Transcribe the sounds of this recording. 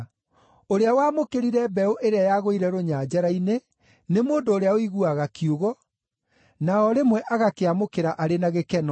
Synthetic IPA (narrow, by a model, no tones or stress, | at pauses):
oɾeawaːmokeɾiɾɛbɛoʔeɾeajaɣoiɾɛɾoɲaːd͡ʑaɾaine | nemoːndoːɾeaoiɣuaɣakioɣɔ | naɔɾemwɛʔaɣakeamokeɾaʔaɾenaɣekɛnɔ